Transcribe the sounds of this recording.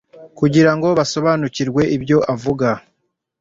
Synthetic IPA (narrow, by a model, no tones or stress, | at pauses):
kuɟiɾaŋɡo̞βaso̞βaːnuciɾɡwe̞ʔibjo̞ʔavuɡa